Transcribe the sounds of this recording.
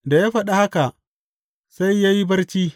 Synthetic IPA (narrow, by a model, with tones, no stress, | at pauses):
da˨ja˦ɸɐ˦˨ɗa˦ha˦ka˨ʔ | sa˦jːa˦ji˦bɐ˦rt͡ʃiː˦